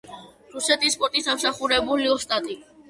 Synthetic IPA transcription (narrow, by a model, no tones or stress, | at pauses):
ɾusɛt̪ʼispʼɔt̪ʼisamsaχuɾɛbuliɔst̪ʼat̪ʼi